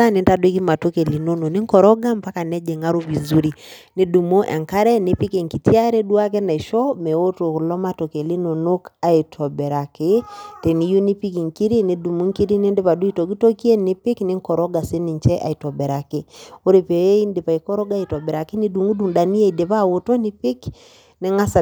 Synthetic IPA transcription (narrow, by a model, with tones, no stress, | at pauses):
a˦ne˨nta˨dwe˦ki˦ma˨to˦ke˨li˨no˦no˨ni˦ŋkɔ˨ɾɔ˦ɡa˦mpa˦ka˨nɛ˦d͡ʒe˨ŋa˦ɾo˦βi˨zu˦ɾi˨ni˦du˨mo˦ʔɛ̰˨ŋka˦ɾɛ˦ne˨pi˦ke˨ŋki˨tja˦ɾe˦dwa˦k̬ɛ˦na˨i˨ʃɔ˦mɛ˨o˦to˨klɔ˦ma˦to˨ke˨li˦no˨no˦ka˨i˨tʰɔ˨bɛ˨ɾa˨kɪ˦te˨ni˦ju˦ni˦pi˦ki˨ŋki˦ɾi˦ni˨du˨mu˦ŋki˦ɾi˦ni˦nde˦pa˨du˦i˦to˨ɡi˦to˦ki˦e˦nɪ˦pɪ˦knɪ˦ŋkɔ˨ɾɔ˦ɡa˨sɪ˦ni˨ɲt͡ʃɛ˦ʔa̰˨i˨tɔ˨bɛ˨ɾa˨kɪ˨o˦ɾe˨pe˨e˦i˦nde˨pa˨i˨kɔ˦ɾɔ˦ɡa˦i˨tɔ˨bɛ˨ɾa˨ki˦ni˦du˨ŋu˦du˨ŋda˨ni˦e˦˨de˨pa˦˨wo˨to˦ni˦pɪ˦k | nɪ˨˦ŋa˦sa˨